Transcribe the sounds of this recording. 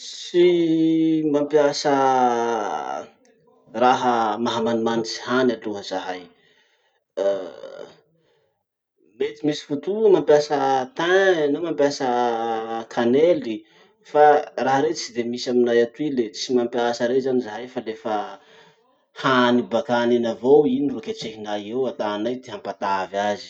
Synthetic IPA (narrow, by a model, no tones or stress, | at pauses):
si | mampjasə | raɦəmaɦamanimanit͡si̥hanaluɦəz̥aɦaj | met̪imisi̥fut̪umampjasət̪anomampjasə | kʰaneli | faraɦaɾet͡sid̪emisaminajat̪uilet͡simampiasəɾezanizaɦajfalefə | hanibakanenavowiniroket͡ʃeɦinajewat̪aːnajd̪eɦampat̪avazi̥